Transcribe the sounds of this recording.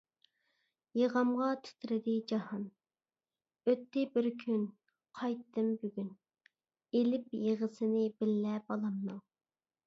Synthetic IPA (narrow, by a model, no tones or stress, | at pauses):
jeʁɑmʁɑt̪ʰy̥t̪ʰɾɪd̪ɪd͡ʒɑhɑn | øt̪ʰːɪbɪɾkʲʰyn | qʰɑjt̪ʰːɨmbyɡʲyn | elɪpjeʁəsɪnɪbɪlːɛbɑlˠɑmnɨŋ